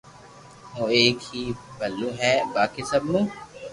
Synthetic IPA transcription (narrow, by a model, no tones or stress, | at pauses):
moːeːkhiːbʱɐlːũɦɛːbaːkesɐbnũː